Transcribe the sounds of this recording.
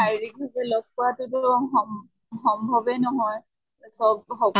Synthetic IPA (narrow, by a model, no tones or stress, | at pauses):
ajɹik̚bʱazɛlɔɡ̚pɔatʊtʊɔm | xɔmbʱɔbɛnɔɦɔj | sɔb̚xɔ